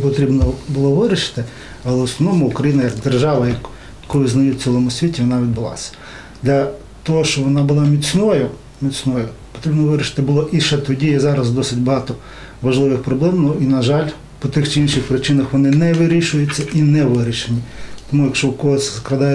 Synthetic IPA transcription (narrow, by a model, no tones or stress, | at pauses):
pɔt̪ɾʲibnɔbʊlˠɔʋɪɾʲɪʃɪ̥t̪ɪ | ɐlˠɛʊsnɔʋnɔmʊʊkɾɐjinɐjɐɡd̪erʒɑʋɐjɐk | kɔlˠɪznɐjut͡sʲilˠɔmʊsʲʋʲitʲiʋɔnɑʋʲid̪̚bɪlˠɑ̰sʲɐ̥ | d̪lʲɐ | t̪ɔɦɔʃt͡ʃɔʋɔnɑbʊlˠɑmʲit͡sʲnɔjʊ | mʲit͡sʲnɔjʊpɔ̥t̪ɾʲibnɔʋɪɾʲɪʃɪ̥t̪ɪbʊlˠɔʔiʃɛt̪ɔdʲijɛzɑɾɐzd̪ɔsɪtʲbɐɦɑt̪ɔ | ʋɐʒlˠɪʋɪxpɾɔblˠɛmnɔinɐʒɑlʲ | pɔt̪ɪxt͡ʃɪinʃɪxpɾɪt͡ʃɪnɐxʋɔnɪnɛʋɪɾʲiʃʊjʊt͡sʲːɐʔinɛʋɪɾʲiʃenʲit̪ɔmujɐkʃt͡ʃɔkɔɦɔsʲzklˠɐd̪ɑjɛ